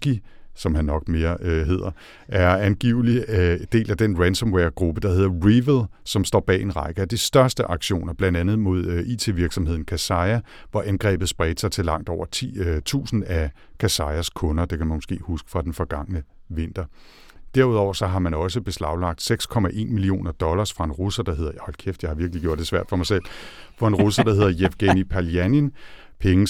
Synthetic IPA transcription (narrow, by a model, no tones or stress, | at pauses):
ɡ̥i | sɒ̽mɦænːɒ̽ɡ̥me̝ːɐɦe̝ð̰ˠɐ | ʔæɐænɡ̥iʊ̰lid̥e̝̰ːlæd̥enʁænsɒ̽mweɐɡ̥ʁub̥əd̥ɑ̈ɦe̝ðˠɐʁiʋelsɒ̽msd̥ɒ̰ːb̥ɛ̰ːe̝nʁɑ̈ɪɡ̥əæd̥isd̥ɶɐsd̥əʔɑ̈ɡ̥ɕo̝̰ːnɐb̥lænd̥ænð̩ˠmo̝ð̞ˠøḭːt͡sʰe̝ʋiɐɡ̥sɒ̽mhe̝ð̰ˠn̩kʰæsɑɪæ | ʋɒʔænɡ̥ʁɛ̰ːb̥ð̩ˠsb̥ʁɛ̰ːd̥sɑ̈ɪt͡sʰe̝lɑ̈ŋ̰d̥ɒʊ̰ɐt͡sʰṵːsn̩æ | kʰæsɑ̈ɪæskʰɔ̽nɐd̥e̝kʰæmænmosɡ̥ḛːhusɡ̥ə̥fʁɑ̈d̥enfɒ̽ɡ̥ɑ̈ŋ̰nəʋe̝n̰d̥ɐ | d̥æɐ̰uðˠɒ̰ʊ̰ɐsɒ̽ɦɑ̈mænɒ̽səb̥e̝slɑ̈ʊlɑ̈ɡ̥̚d̥seɡ̥skʰɒ̽mæʔe̝̰ːnmilio̝̰ːnɐd̥ɒ̽lɐsfʁɑ̈e̝nʁusɐd̥ɑ̈ɦe̝ð̞̰ˠɐjhɒ̽lkʰefd̥jɑ̈ɪɑ̈ʋiɐɡ̥liɡ̥jo̰ɐ̰d̥e̝sʋæɐ̰d̥fɒ̽mɑɪsel̰ | fɒ̽e̝nʁusɐd̥ɑ̈he̝ð̞̰ˠɐjefɡ̥enipʰæliænen | pʰeŋə